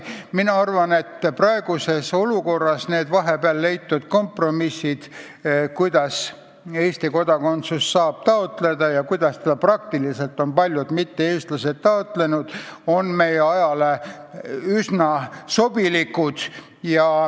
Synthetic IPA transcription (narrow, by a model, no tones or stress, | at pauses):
minɑɑrvɑne̞t̪ːprɑe̞ɡ̥use̞so̞luko̞rːɑsne̞ːd̪vɑɦe̞peɑlːe̞jt̪ːud̪̥ko̞mpro̞misːid̪̥ | kujd̪̥ɑs | eːst̪iko̞d̪̥ɑko̞nt̪susːɑːb̥̚t̪ɑo̞t̪le̞d̪ɑjɑkujd̪̥ɑst̪ɑd̪̥ɑprɑkt̪ilise̞lt̪ːˑo̞npɑlʲjud̪̥mit̪ːeeːst̪lɑse̞t̪̚t̪ːɑo̞t̪le̞nud̪̥o̞nme̞jeɑjɑle̞ | ysnɑso̞b̥ilikːud̪̥ | jɑ